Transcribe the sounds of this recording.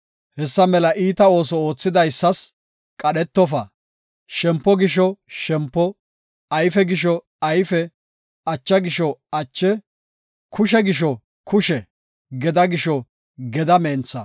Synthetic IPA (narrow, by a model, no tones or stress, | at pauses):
hɛsːɐmɛlɐʔiːt̪ɐo̞ːs̬ɔo̞ːt͡sːɪd̪ɐjsːɐs | kʼɐɗɛt̪ːɔfɐ | ʃɛmpːɔɡɪʃ̬ɔʃɛmpːɔ | ɐjfɛɡɪʃɔ | ɐjfɛ | ɐt͡ʃːɐɡɪʃɔɐt͡ʃːɛ | kʊʃ̬ɛɡɪʃ̬ɔ | kʊʃɛ | ɡɛd̪ɐɡɪʃɔ | ɡɛd̪ɐmeːnt͡sːɐ̰